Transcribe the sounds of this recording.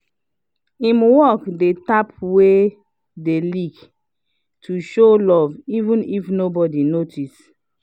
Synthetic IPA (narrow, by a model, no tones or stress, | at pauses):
ĩmwɔkdetapwe | delik | tʰuʃolɔvivũnifnobɔdinotʰis